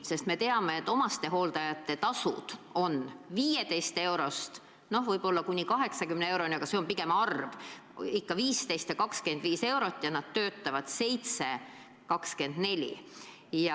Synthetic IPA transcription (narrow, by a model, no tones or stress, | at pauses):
se̞st̪me̞t̪eɑme̞et̪ːˑo̞mɑst̪e̞ɦo̞ːld̪ɑjɑt̪ːˑe̞t̪ɑsṵd̪̥o̞nviːjet̪e̞jst̪e̞wɾo̞st̪ | no̞hvɤjb̥o̞lːɑkunʲikɑɦe̞ksɑkymnee̞wɾo̞nʲiɑɡ̥ɑseo̞mpiɡ̥e̞mɑrvikːɑviːst̪ejst̪jɑkɑkske̞nd̪viːse̞wɾo̞t̪ːˑjɑnɑd̪̥t̪ːø̞ːt̪ˑːɑvɑd̪̥se̞jt̪se̞ | kɑkske̞nd̪̥ne̞lʲḭ | jɑ